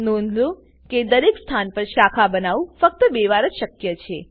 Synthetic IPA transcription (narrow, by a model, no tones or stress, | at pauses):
nũnd̪ʱlũ | ked̪əɾekst̪ʰanpəɾʃakʰabənaʋũfək̚t̪əbeʋaɾəd͡ʒʃəkjət͡ʃʰe